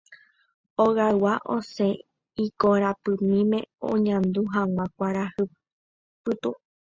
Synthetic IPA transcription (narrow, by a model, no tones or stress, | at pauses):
oɣawaʔo̰se | ikoɾapɨmĩmẽ̞̰õ̰ɲãnd̪uɦãw̃ʷãkʷaɾahɨ | pɨt̪u